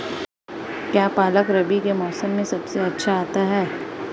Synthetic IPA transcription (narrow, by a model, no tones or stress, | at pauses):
kjaːpaːləkɾɐbikemɔːsəmːẽsɐbseɐtːʃʰaaːt̪aɦɛː